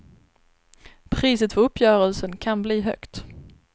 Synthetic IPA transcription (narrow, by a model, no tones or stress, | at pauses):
pʰɾiːsət̪fœɾɵpʰːjœːɾəlsənkʰanbliːɦœ̰kt̪